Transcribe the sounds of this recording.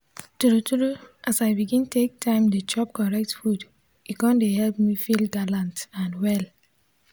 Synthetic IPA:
tuɾutuɾuʔasaɪbiɡĩntʰek̚tʰãɪ̃mdet͡ʃɔp̚kɔɹɛk̚tfud | ikɔ̃ndehɛlpmifilɡalãntãnwɛl

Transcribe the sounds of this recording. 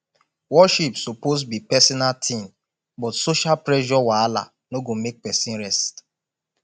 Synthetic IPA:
wɔʃipsoposbipɛsɔnaltʰĩm | bɔtsoʃalpɾɛʒɔwaala̰ | noɡomek̚pɛsĩnɾɛst

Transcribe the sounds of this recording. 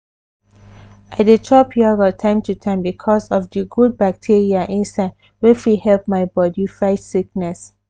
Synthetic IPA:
aɪdetʰɹɔpʰiavətʰãɪ̃mtʰutʰãɪ̃mbikʰɔzɔfdiɡud̚bak̚tʰiɹiaʔĩnsaɪd | wɛfihɛlp̚maɪbɔdifɹaɪtsik̚nɛs

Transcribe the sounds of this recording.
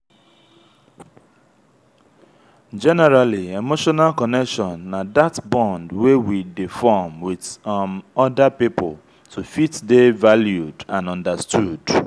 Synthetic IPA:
d͡ʒɛnɛɾaliemoʃɔnalkɔnɛkʃɔ̃nːadatbɔ̃ndwewidifɔmwiðmɔdapipʊl | tʰufitdevaljudãnɔ̃ndastud̥

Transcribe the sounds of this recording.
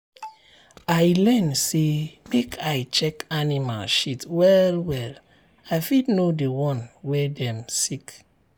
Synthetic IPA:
ajlɛnsemekʰajt͡ʃɛkanima̰lʃitwɛlwɛl | ajfitnodewɔ̃nwedɛ̃msik

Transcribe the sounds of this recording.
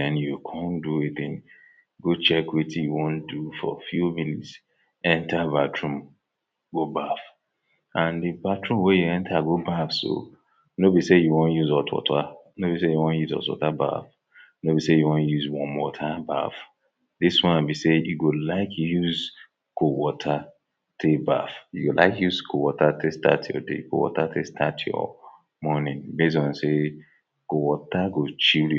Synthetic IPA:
ɛ̃njukʰɔ̃ndueθɪ̃ŋ | ɡot͡ʃɛkwitijuwõndufɔ̰fjuminḭts | ɛ̃ntʰabatɹũm | ɡobaf | ʔãndibatʰɹũmwejuɛ̃ntʰaɡobafso̰ | nobisejuwõnjuzɔtʰwɔ̰tʰa | nobisejuwɔ̃njuzɔ̰tɔ̰taba̰f | nobisejuwɔ̃njuzwɔ̃nwɔtʰaba̰f | diswɔ̃ãbisejuɡolaɪkjuz | kowɔtʰa | tʰeba̰fjuɡola̰ɪkjuzkʰowɔtatʰestʰa̰tʰjɔ̰dḛko̰wɔ̰tatestʰatʰjɔ̰ | mɔnĩnbezɔ̃nse | kowɔtaɡot͡ʃilj

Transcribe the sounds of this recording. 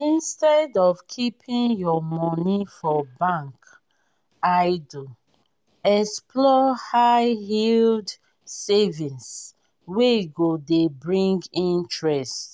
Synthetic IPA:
ĩnstɛdɔvkʰipʰĩnjɔmɔnifɔbãŋk | aɪdu | ɛkspʰlɔhaɪhild | sɛvĩns | weɡodebɹĩŋɡĩntɹɛst

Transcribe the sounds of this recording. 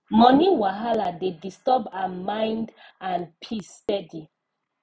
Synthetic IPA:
mɔniwaɦaladedistɔbamãɪ̃ndãnpʰistɛdi

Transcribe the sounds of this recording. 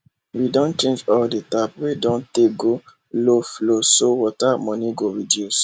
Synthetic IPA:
widɔ̃nt͡ʃẽnd͡ʒɔldetapwedɔ̃nteɡo | loflosowɔtamɔ̃nĩɡoɹidjus

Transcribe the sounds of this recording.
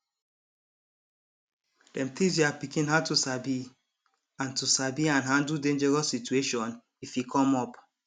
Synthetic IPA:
d̥ɛ̃mt̪ĩs̬japikĩnɦatusabi | ãntusabiãnɦãndl̩dẽnd͡ʒɛɹɔsːitueʃɔ̃n | ifikʰɔ̃mɔp

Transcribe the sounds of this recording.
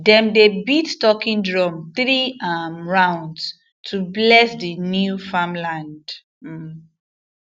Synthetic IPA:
dɛ̃mdebittɔkĩndɹɔmθɹiamɹãʊ̃nds | tʰublɛsdinjufamlãnd̩

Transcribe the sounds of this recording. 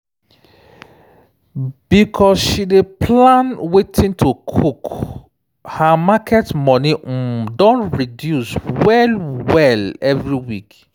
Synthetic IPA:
b̥ikʰɔsʃidepʰlãnwetʰĩntʰokʰuk | hamakʰɛtmɔnidɔ̃ntɹidjuswɛlwɛlɛvɹiwik

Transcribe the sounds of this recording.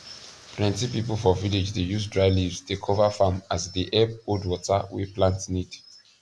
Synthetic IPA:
plɛ̃ntipipl̩fɔviled͡ʒdejusdɹaɪlivzdekʰɔvafamazdiʔɛb̚odwɔtawḭplãntnid

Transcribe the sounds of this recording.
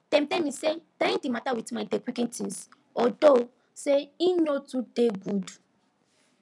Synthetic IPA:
tɛ̃mtɛmĩsed̥ãndimatawitmadekwikĩtĩns | ɔdo | seinotudeɡud

